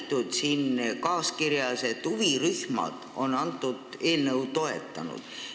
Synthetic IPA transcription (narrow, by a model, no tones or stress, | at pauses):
t̪ːˑud̪siːnkɑːskiɾjɑse̞t̪ːˑuviryhmɑ̰d̪̥o̞nːɑnt̪ˑːud̪̥e̞ːlnɤwt̪o̞e̞t̪ːˑɑ̰nṵd̪̥